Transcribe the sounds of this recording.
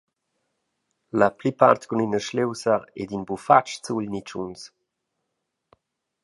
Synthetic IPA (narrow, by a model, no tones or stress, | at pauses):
laplipaɾt̪kuninəʃlewsəɾɛ̰d̪inbufat͡ʃt͡suʎnit͡ʃṵns